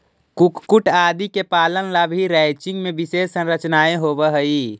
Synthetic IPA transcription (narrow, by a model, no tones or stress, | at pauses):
kukkuʈad̪ikepalənlabʱiɾaɪt͡ʃĩŋɡmebisessə̃nɾət͡ʃnaeɦobəɦəi